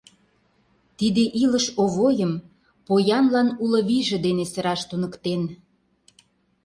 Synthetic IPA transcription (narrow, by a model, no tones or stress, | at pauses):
t̪id̪eʔiləʃoβojəm | pojɑnlɑnulɤ̆βiʒĕd̪enesə̆ɾɑʃt̪unəkt̪en